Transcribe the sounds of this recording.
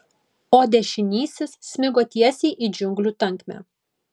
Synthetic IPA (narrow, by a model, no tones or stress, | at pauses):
oːd̪ʲɛʃʲɪnʲiːsʲɪssʲmʲɪɡoːt̪ʲiɛsʲiːʔid͡ʒʲʊŋɡlʲuːt̪ɐŋʲˑkmʲæ̰ː